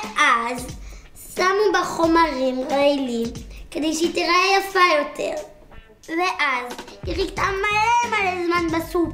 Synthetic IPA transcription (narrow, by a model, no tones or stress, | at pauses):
ʔaz | samubeχo̞maʁimʁailimkede̞jʃeit̪iʁaejafajo̞tʰe̞̰ʁ | veʔaziʁiɡt̪amalemalezmanbasu